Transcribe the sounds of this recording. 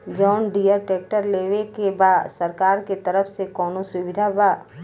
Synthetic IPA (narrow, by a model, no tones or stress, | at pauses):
d͡ʒɔːnɖijəɾʈeːk̚ʈəɾleːʋekebaːd̪səɾkaːɾket̪əɾəfsekɔːnosʊwɪd̪ʱabaː